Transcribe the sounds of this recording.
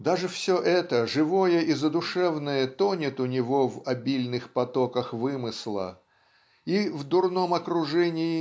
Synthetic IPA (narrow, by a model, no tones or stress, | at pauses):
d̪aʐɨfsʲɵʔɛt̪əʐɨvojəʔizəd̪ʊʂɛvnəjət̪onʲɪt̪ʊnʲɪvo̞vɐbʲilʲnɨxpɐt̪okəxvɨmɨslˠə̰ | ivd̪ʊrno̞mɐkɾʊʐɛnʲɪɪ